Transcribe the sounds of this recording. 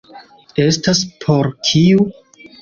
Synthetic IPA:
e̞staspʰo̞ɾkʰiu

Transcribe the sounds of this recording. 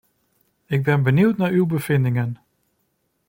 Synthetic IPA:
ɪɡ̚bɛnbəniwtnaːɹywbəv̥ɪndɪŋən

